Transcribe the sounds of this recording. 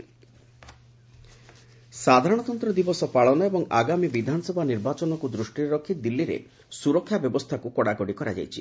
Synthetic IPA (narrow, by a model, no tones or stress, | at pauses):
sad̪ʱaɾɔɽ̃ɔt̪ɔnt̪ɾɔd̪ibɔsɔpaɭɔnɔebɔŋaɡamibid̪ʱanɔsɔbʱaniɾbat͡ʃɔnɔkud̪ɾuʃʈiɾɾɔkʰːit̪ɔd̪ilːiɾḛ | suɾɔkʰːjabjɔbɔst̪ʰakukɔɽaɡɔɽikɔɾa̰d͡ʒa̰jt͡ʃʰi